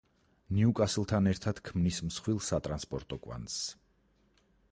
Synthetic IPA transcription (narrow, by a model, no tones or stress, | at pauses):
niukʼaslˠt̪ʰanɛɾt̪ʰad̪̥kʰmnismsχwilˠsat̪ʼɾanspʼɔɾt̪ʼɔkʼwa̰ns